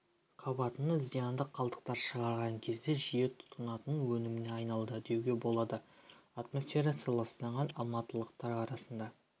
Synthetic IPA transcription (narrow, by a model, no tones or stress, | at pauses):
qʰɑbɑt̪ənəzijɑnd̪əqʰːɑlˠd̪ə̥q̚t̪ɑɾʃəʁɑɾʁɑŋkʲʰe̞zd̪e̞ʒije̞t̪ʰʊ̥t̪ːənɑt̪ənwɵnɪmɪne̞ɑjnɑlˠd̪əd̪e̞wɡʲe̞bo̞lˠɑd̪əat̪mo̞sfʲe̞ɾat̪sɑlˠɑsnɑɴʁɑnɑlˠmɑt̪ːəlˠəqt̪ɑɾɑɾɑsənd̪ɑ